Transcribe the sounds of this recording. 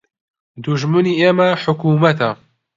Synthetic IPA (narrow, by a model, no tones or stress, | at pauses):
d̪uʒmɨniːʔeːmɐħʊkuːmɐt̪ʰɐ